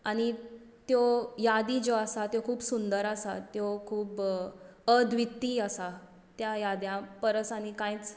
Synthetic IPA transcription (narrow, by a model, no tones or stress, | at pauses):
aɽ̃i | t̪jojad̪id͡ʑoasat̪jokʰuːpsund̪əɾasat̪jokʰuːp | əd̪ʱʋit̪ːiːasa | t̪jajad̪jãpəɾəsañikãjt͡s